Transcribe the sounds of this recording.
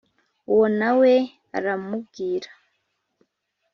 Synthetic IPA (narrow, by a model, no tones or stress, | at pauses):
uwonawe | aɾamub̚ɡiːɾḁ